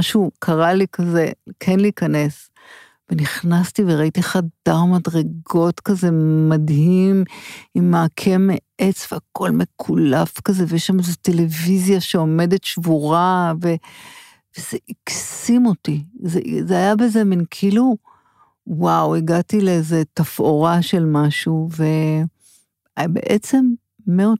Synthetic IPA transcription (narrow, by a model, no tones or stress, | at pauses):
aʃukʰaʁalikazekʰenliːkɐne̞s | veniχnastiveʁaitiχadaʁmadʁeɡo̞tkaze̞madɦimimːeakʰe̞meet͡sv̥eakʰo̞lmekʰulafkaze̞vejeʃlamezote̞le̞vizjaʃeo̞me̞de̞tʃvuʁave̞ | vez̥eʔiksimo̞tizezeajabezeminkʰiːlu | wawiɡatileezetafo̞ʁaʃe̞lmaʃuve̞ | abe̞̰ʔet͡se̞mː | eo